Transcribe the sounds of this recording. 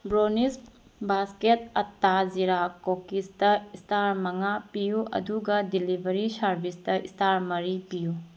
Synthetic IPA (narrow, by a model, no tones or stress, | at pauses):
bɾonis | basketɐtːaziɾakokistɐistʰaɾmɐŋapijuʔɐ̰duɡɐdilibʱɐɾisɐɾbʱistɐḭstʰaɾmɐɾipiju